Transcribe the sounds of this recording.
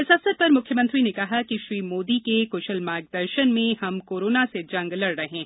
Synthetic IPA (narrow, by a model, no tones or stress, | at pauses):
ɪsɐfsəɾ̚pɐɾmʊkʰjəmɐ̃nt̪ɾinekɐɦakiʃɾiːmoːd̪ikekʊːʃəlmaːɾɡ̚d̪ɐɾʃənmẽhɐmkoːɾoːnased͡ʒɐ̃ŋɡlɐɽɾɐɦẽː